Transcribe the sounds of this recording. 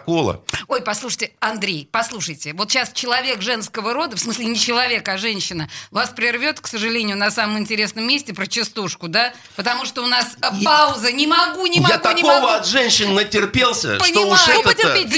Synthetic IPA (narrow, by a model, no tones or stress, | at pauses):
kolˠə̰o̞jpɐslˠuʂɨ̥tʲɪɐnd̪ɾʲejpɐslˠuʂəjtʲɪvot̪ɕast͡ɕɪlˠɐvʲe̞kʐɛn̪skəvəɾo̞d̪əfsmɨsʲlʲɪnʲɪt͡ɕɪlˠɐvʲe̞kɐʐɛnʲɕːɪnəvaspɾʲɪrvʲo̞t̪ksəʐɨlʲenʲɪjʊnɐsaməmɪnʲtʲɪɾʲe̞snəmːʲesʲtʲɪpɾət͡ɕɪst̪uʂkʊd̪a | pət̪ɐmuʂt̪oʊnaspaʊzənʲɪmɐɡunʲɪmajaɡt̪aɪkovəɐt̪ʐɛnʲɕːɪnːətʲɪrpʲelˠsʲə̰pʂənʲoɪʂɛətʲɪpʲe